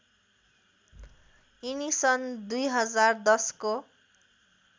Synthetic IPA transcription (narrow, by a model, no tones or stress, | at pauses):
inisʌnd̪ujɦʌd͡zard̪ʌsko